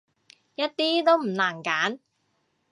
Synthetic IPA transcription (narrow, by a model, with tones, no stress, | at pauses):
jɐ˥t̚t̪iː˥t̪o˥wm̩˨˩naː˨˩nkaː˨˥n